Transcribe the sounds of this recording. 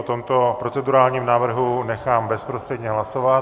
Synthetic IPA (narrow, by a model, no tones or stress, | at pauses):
ot̪omt̪o̞pɾo̞t͡sɛduɾaːlɲiːmnaːvr̩ɦunɛxaːmbɛspɾost̪r̥ɛd̪ɲɛɦlasovat